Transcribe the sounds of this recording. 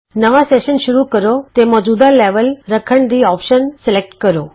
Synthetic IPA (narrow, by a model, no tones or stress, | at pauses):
nəʋaseʃənʃuɾukəɾot̪emɔːd͡ʑuːd̪aleʋəlɾəkʰəɳd̪iːɔpʃənsɪlek̚ʈkəɾo